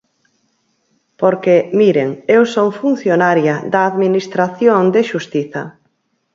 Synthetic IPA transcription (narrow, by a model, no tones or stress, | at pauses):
poɾkemiɾeŋewsoŋfun̟θjonaɾjɐðɐːðminist̪ɾaθjoŋd̪eʃust̪iθɐ